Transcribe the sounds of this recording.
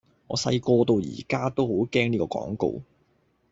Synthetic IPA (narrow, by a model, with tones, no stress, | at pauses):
ŋɔː˨˧sɐ̰˧jkɔː˧t̪o˧wjḭː˨˩kaː˥t̪o˥who˨˥wkɛː˥ŋniː˥kɔː˧kɔ̰ː˨˥ŋko̰˨˧w